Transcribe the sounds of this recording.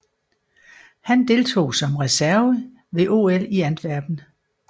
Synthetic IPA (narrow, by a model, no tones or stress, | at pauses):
hænd̥e̝lt͡sʰo̝̰ːsɒ̽mʁɛsæɐʋə | ʋe̝ʔo̝ːeliænd̥ʋæɐ̰b̥n̩